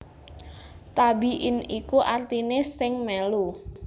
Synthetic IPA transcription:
t̪abiʔɪnikuʔart̪inesɪŋmɛlu

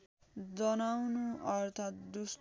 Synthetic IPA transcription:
d͡zʌnawnuʌɾt̪ʰat̪̚d̪us

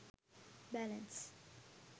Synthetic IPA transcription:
bælɛ̃ns

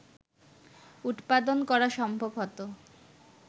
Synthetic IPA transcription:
ut̪pad̪onkɔɾaʃɔmbʱobɦɔt̪o

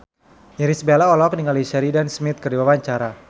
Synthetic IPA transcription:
jɛɾisbelaɔlɔk̚niŋalisɛɾidansmit̪̚kərdiwawaɲt͡ʃaɾa

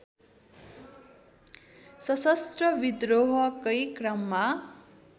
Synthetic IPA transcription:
sʌsʌst̪rʌbid̪roɦʌkʌjkrʌmːa

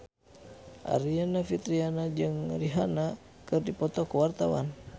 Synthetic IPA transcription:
ʔa̰ɾianafit̪ɾianad͡ʒɨŋriɦana | kɨrdipɔt̪ɔkuwart̪awa̰n

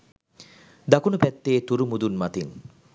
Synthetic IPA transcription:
d̪akunupɛt̪ːeːt̪uɾumud̪unmat̪in

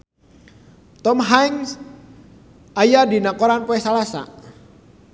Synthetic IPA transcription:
t̪ɔmɦajŋs | ajadinakɔɾanpɔɛsalasa̰

